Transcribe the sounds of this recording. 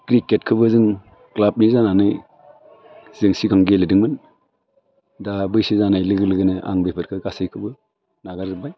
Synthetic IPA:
kɾiket̚kʰɯbɯzɯŋ | klap̚nizananɯj | zɯŋsiɡaŋɡelɯdɯŋmɯn | dabɯjsizanajlɯɡɯlɯɡɯnɯʔa̰ŋbepʰɯɾkʰɯɡasɯjkʰɯbɯ | naɡaɾzɯbaj

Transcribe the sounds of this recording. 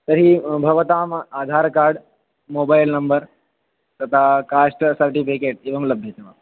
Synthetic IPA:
t̪ɐɾibʱɐʋɐt̪aːmaːd̪ʱaːɾkaːɾɖ | moːbaːjlnɐmbəɾ | t̪ɐt̪ʰakaːsʈsɐɾʈipikeːʈ̚eːʋɐmlɐbʱjɐt̪ɐʋa

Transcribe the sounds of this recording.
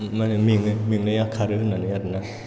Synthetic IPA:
manmiŋɯmiŋnajakʰaɾɯɯnanɯjadɯna

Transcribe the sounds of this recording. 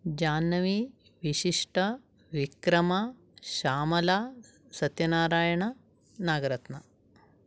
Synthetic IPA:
d͡ʒaːnːɐʋi | ʋiʃiʂʈɐ | ʋikɾɐma | ʃaːmɐlaː | sɐt̪jɐnaːɾaːjɐɳɐ | naːɡɐɾɐt̪nɐ

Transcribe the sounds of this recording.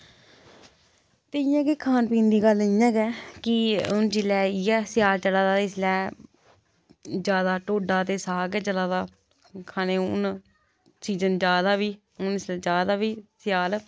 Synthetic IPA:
t̪eːɪjãːkeːkʰaːnpĩːnd̪iːɡəlɪjãːɡɛːkɪʊnd͡ʒɪlɛːiːɛːsɪjaːlt͡ʃəlaːd̪aːɪslɛː | d͡ʒjaːd̪aːʈoːɖaːt̪eːsaːɡɛːt͡ʃəlaːd̪aː | kʰaːneːʊn | siːd͡ʒənd͡ʒjaːd̪aːʋiː | ʊnɪslɛːd͡ʒaːd̪aːʋiːsɪjaːl

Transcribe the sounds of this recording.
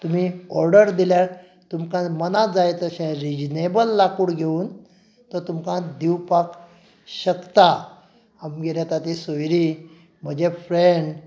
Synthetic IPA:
t̪um̤iɔɾɖəɾd̪iljaɾ | t̪umkãmənad͡zajt̪əɕɛ̃ɾid͡ʑnebəlːakuɽɡʱeuːn | t̪ɔɾt̪umkãd̪iwpak | ɕəkt̪a | amɡeɾjat̪at̪isojɾi | m̤əd͡ʑefɾeɳɖ

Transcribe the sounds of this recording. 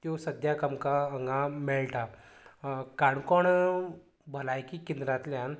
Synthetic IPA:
t̪josəd̪ʱjakəmkaəŋɡãmɛɭlʈa | kaɳkɔɳ | bʱəlajkikind̪ɾãt̪ljãn

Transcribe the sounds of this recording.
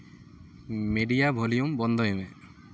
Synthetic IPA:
meɖijabʱolijumbɔnd̪ʱɔɦime

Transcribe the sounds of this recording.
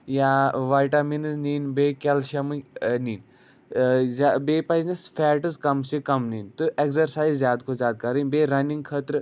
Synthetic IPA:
jaʋaːjʈaminɨzniːnbeːkʲɛlʃɐmɨniːn | zabeːpaznisfʰɛːʈɨzkɐmsikɐmnint̪ɨʔekzɐɾsaːjzːjaːd̪kʰozjaːd̪̚kɐɾɨnbeːɾɐniŋɡkʰət̪ɾɨ

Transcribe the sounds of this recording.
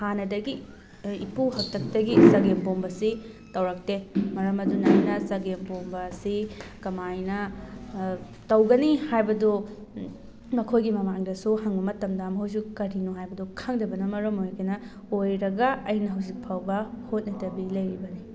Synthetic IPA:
hanɐdɐɡiː | puhɐk̚tʰɐk̚tɐɡisɐɡempombɐsi | tɐwɾɐk̚temɐɾɐmɐdunajnɐsɐɡempombɐsikɐmajnɐ | tɐwɡɐnihajbɐdo | mɐkʰojɡimɐmaŋdɐsuɦɐŋbɐmɐtɐmdamɐɦows̬ukɐɾinuɦajbɐdɔkʰɐŋdɐbɐnɐmɐɾɐmojkʰinɐ | ojɾɐɡɐɐjnɐɦɐwzik̚pʰawbɐhot̚nɐdɐbilɐjɾibɐni

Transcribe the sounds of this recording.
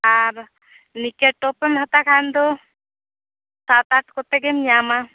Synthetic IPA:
aɾ | nikeʈːɔpemɦat̪akʰand̪o | sat̪aʈkɔt̪ɛɡemjama

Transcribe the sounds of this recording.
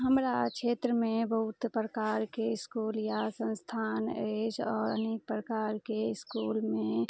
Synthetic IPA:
ɦəmɾakʃʰeːt̪ɾəmẽbəɦut̪pɾəkaːɾkeɪskuːljasə̃nst̪ʰaːned͡ʒɔːɾə̰nik̚pɾəkaːɾkeɪskuːlmẽ

